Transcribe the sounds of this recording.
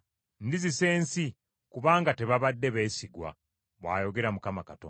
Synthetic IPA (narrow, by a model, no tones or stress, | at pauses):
ndizise̞ːnsi | kuβaːŋɡate̞βaβadːe̞βe̞ːsiɡwa̰ | βwa̰ːjo̞ɡe̞ɾamukamakatoː